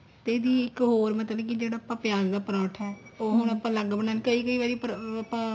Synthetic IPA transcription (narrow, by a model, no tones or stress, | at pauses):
t̪eːd̪iːɪkɦoːɾmət̪ləbk̬ɪd͡ʒeːɽaːpəpjaːɡd̪aːpəɾãːʈʰɛːoːɦʊñaːpãːləɡbəɳaːnkəiːkəiːʋaːɾiːpəpãː